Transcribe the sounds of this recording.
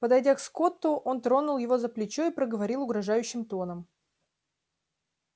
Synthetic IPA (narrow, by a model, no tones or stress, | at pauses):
pəd̪ɐjdʲaksko̞t̪ːʊʔo̞nt̪ɾo̞nʊlˠjɪvo̞zəplʲɪt͡ɕo̞ipɾəɡəvɐɾʲilˠʊɡɾɐʐajʉɕːɪmt̪o̞nəm